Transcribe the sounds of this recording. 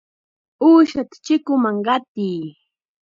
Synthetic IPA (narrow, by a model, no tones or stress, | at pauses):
uːʃat̪ḁt͡ʃɪkʊmaŋɢɑt̪iː